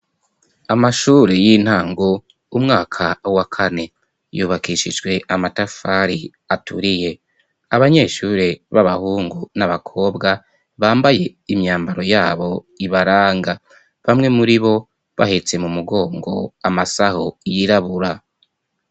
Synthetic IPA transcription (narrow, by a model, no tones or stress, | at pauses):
amaʃuːɾejin̥haːŋɡo | umŋaːkʰawakʰane̞ | juːβakiʃid͡ʒɡwe̞ʔamatafaɾi | atuɾije̞ | aβaɲe̞ːʃuːɾeβaβahuːŋɡunaβakʰo̞ːbɡa | βaːmbaje̞imɲaːmbaɾo̞jaːβo̞ | iβaɾaːŋɡa | βamŋe̞muɾiβo̞ | βa̰het͡se̞mumuɡo̞ːŋɡo̞̰amasahojiɾaβuɾa